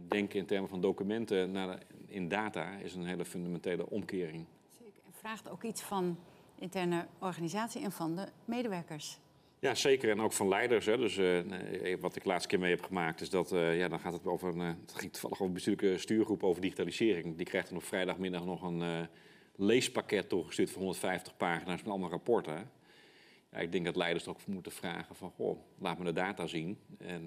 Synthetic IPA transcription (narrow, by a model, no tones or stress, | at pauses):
dɛŋkɪntɛrməfɑndowkymɛntənaɪndaːtaɪ̰sənɦejləføndamɛntejlə̰ʔɔmkɪːrɪŋ | ekɛnfraːxtowkitsfɑnɪntɛɹnəɔɹχanizaːtsiɛnfɑndəmejdəʋɛɹkəɹs | jaseːkəɹɛnowkfɑnlɛjdəɹsɦɛdøs | ʋɑtɪklaːtstkɪːɹmejɦɛpχəmaːk̚tɪsdɔtjadɔnχaːtətovərnχɪŋtu̥fɑ̰lˠəχoːəəbəstyːləkəstyːɹχrupəowvəɹdixitaːlizɪːɾɪŋdikrɛjxtənɔpfrɛjdɑxmɪndɑχnɔχən | lejspakɛtːuχəstyːətfɔnɦondətfɛjftə̥χpaːχinasmɛtɑndəərapɔɹtə | ja̰ʔɪ̰ɡ̚dɛŋɡdɔtlɛjdəɹsdəokmutəfra̰ːɣəfɑnxo̰ːlaːtmədədaːtaːzinɛn